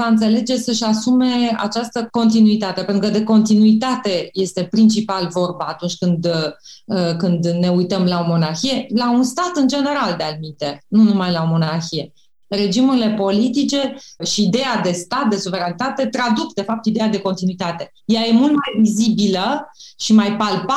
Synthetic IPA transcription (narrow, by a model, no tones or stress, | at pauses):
vaɨnt̪se̞le̞d͡ʒe̞səʃasume̞a̰t͡ʃast̪əko̞nt̪inuit̪at̪e̞pe̞nt̪ɾukəd̪e̞ko̞nt̪inuit̪at̪e̞je̞st̪e̞pɾint͡ʃipalvo̞rbaːt̪unt͡ʃʲkɨnd̪ | əkɨnd̪ne̞ujt̪əmlao̞mo̞narçije̞launst̪at̪ɨnd͡ʒe̞ne̞ɾald̪ealimint̪enunumajlaomo̞narçije̞ | re̞d͡ʒimuɾile̞po̞lit̪it͡ʃe̞ʃiːd̪e̞jad̪e̞st̪at̪̚d̪e̞suve̞ɾanit̪at̪e̞t̪ɾad̪ukd̪e̞fap̚t̪id̪ejad̪e̞ko̞nt̪inuit̪at̪e̞ | jaje̞mult̪majvizibiləʃimajpalpa